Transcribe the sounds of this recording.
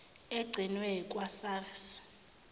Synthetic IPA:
eɡ͡ǀʱinwɛkʼwasaːrs

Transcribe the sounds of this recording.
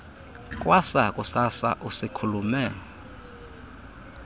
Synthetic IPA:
kʼwasakʼusasa̰ʔusikʰulumɛ

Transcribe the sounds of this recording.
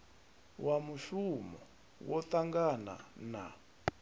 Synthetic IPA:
wamuʃumɔ | wɔt̪aŋɡana̰na̰

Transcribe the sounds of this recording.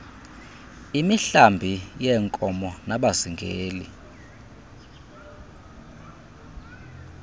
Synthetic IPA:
imiɬambʱijɛŋkʼɔmɔnaɓaziŋɡʱeːlḭ

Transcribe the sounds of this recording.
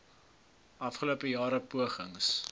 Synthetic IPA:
ʔɐfχəluəpəjɑːɾəpuəχəŋs

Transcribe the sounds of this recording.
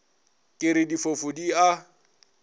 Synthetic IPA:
kʼɪɾɪdifofʊdia

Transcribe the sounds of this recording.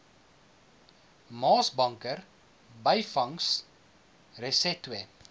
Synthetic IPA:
mɑːsbɐŋkər | bəjfɐŋs | rəsɛtwɛ

